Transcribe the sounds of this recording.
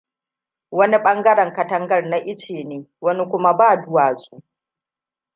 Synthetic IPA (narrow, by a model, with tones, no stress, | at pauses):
wɐ˦ni˦ɓɐ˦ŋɡɐ˦ɽɐ˨ŋkɐ˨tɐ˦ŋɡɐ˦rna˨ʔɪ˦t͡ʃeː˨neː˨˦wɐ˦ni˦kʷʊ˦ma˦baː˦˨dʊ˦waː˨sʼuː˦ʔ